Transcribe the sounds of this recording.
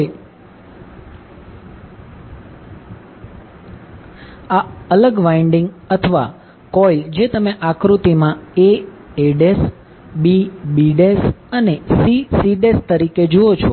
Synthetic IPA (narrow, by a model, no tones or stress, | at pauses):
aələɡʋaiɳɖiŋɡ | ət̪ʰəʋa̰ | kɔld͡ʒet̪əmeʔakɾut̪imãe | eɖes | bibiɖesənesisiɖest̪əɾiked͡ʒoot͡ʃʰo